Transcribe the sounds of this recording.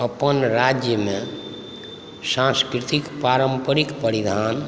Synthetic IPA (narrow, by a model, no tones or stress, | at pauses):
əpənɾad͡ʒjəme | sãskɾit̪ikpaɾəmpəɾikpəɾid̪ʱan